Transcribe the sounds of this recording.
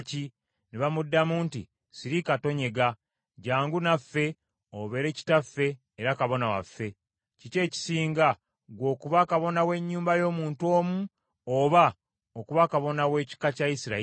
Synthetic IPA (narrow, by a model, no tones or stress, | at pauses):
ci | neβamudːamuːntḭ | siɾikato̞ɲe̞ɡa | ɟaːŋɡunafːe̞ | oβe̞ɾe̞ci̥tafːe̞ː | ɾakaβo̞nawa̰fːe̞ | cice̞ːci̥siːŋɡa | ɡwo̞ːkuβakaβo̞nawe̞ɲːuːmbajo̞ːmuːnto̞ːmu | oβa | okuβakaβo̞nawe̞ːci̥kacaisiɾa